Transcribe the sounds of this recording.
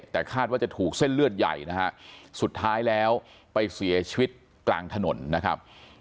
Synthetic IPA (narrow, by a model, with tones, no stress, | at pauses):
t̪ɛː˨˩kʰaː˥˩t̪̚waː˥˩t͡ɕa˨˩t̪ʰuː˨˩k̚se˥˩nlɯ˥˩ət̪̚ja̰˨˩jna˦˥kʰa˦˥su˨˩t̪ʰːaː˦˥jlɛː˦˥w | pa˧jsi˨˩˦ɐt͡ɕʰi˧wi˦˥t̪̚ | kla̰ː˧ŋt̪ʰa˧no˩˦nːa˦˥kʰa̰˦˥p̚